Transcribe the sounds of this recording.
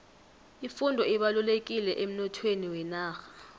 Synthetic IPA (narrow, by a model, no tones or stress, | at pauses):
ifundʱɔiɓalulek̬ʼilɛʔem̩nɔtʰweniwɛnaːxḁ